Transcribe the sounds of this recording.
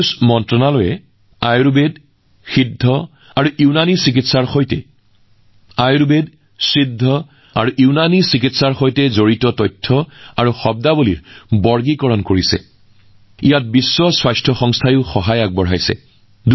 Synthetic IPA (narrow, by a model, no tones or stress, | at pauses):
smɔntɹɔnalojɛ | ajɹubed | xidʱːɔ | aɹuʔiʊnanisik̬itsaɹxojtɛ̰ | ajɹbed | sɹidʱːɔ | aɹuʔiʊnanisikitsaɹxojtɛzoɹitɔtɔjtʰːɔaɹuxɔb̚dabulḭɹbɔɹɡikɔɹɔnkoɹisɛ̰ | ijat̚bisːɔswajstʰɔxɔŋstʰajʊxɔɦajak̚bɔɹ̤ɦajsɛ̰ | d